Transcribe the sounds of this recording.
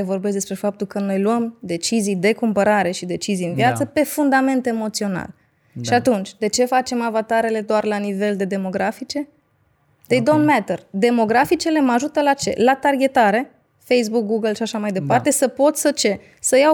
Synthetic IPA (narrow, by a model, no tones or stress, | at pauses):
evo̞rbes̬d̪espɾe̞fap̚t̪ulkəno̞jluəmd̪e̞t͡ʃizijd̪e̞kumpəɾaɾe̞ʃid̪e̞t͡ʃizijɨnvijat̪səpe̞fund̪ame̞nt̪e̞mo̞t̪sio̞na̰l | ʃiat̪unt͡ʃʲd̪e̞t͡ʃe̞fat͡ʃe̞mavat̪aɾe̞le̞d̪oarlanive̞ld̪e̞d̪e̞mo̞ɡɾafit͡ʃe̞ | d̪̥ejd̪omnmet̪erd̪e̞mo̞ɡɾafit͡ʃele̞maʒut̪əlat͡ʃe̞̰lat̪arɡʲe̞t̪aɾe̞ | fejs̬buk̚ɡuɡəlʃiaʃamajd̪e̞part̪e̞səpo̞t̪sʲsət͡ʃe̞ | səja